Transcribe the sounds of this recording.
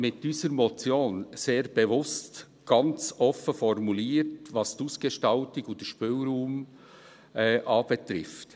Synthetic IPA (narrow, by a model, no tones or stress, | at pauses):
mɪt̚d̥yːsəɾmɔt͡sjoːnseːɾb̥ɛvʊst | ɡ̥ɑnt͡sɔfəfɔrmuliːtʋɑsd̥uːsɡ̥eʃtɑltɪɡudəʃpʏlɾuːm | ɛːʔɑːb̥ɛt̪ɾɪft